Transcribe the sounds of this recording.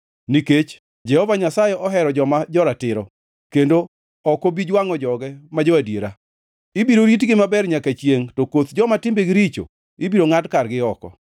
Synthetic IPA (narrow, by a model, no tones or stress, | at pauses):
niket͡ʃ | d͡ʒɛhɔvaɲasajɛʔɔɦɛɾɔd͡ʒɔmad͡ʒɔɾatɪɾɔ | kendo | ɔkobid͡ʒwaŋɔd͡ʒɔɡɛmad͡ʒɔadjeɾa | ibiɾoɾit̬ɡɪmabɛrɲakat͡ʃjeŋtɔkot̪d͡ʒɔmatɪmbeɡɪɾit͡ʃo̰ | ibiɾoŋadkarɡɪɔkɔ̰